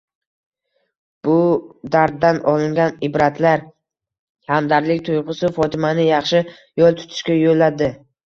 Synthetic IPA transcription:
b̥ʊd̪aɾd̪̚ːanɒlɪŋɡʲanɪbɾat̪ʰlaɾ | hamd̪aɾlɪk̚ʲt̪ʰʊjʁʊsɪfɒt̪ʰɪmanɪjɑχʃɪ | jɒlˠt̪ʰʊ̥t̪ʰɪ̥ʃkʲajolːad̪ɪ

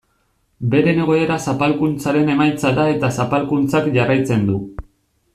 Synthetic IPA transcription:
be̞ɾe̞ne̞ɣo̞e̞ɾasapalkunt͡saɾe̞ne̞majt͡saðae̞t̪asapalkunt͡sakʝarajt͡se̞nd̪u

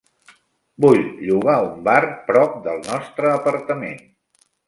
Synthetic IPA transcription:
buʎʎuɣ̞aumbarpɾɔp̚d̪əlˠnɔst̪ɾəːpəɾt̪əmḛn

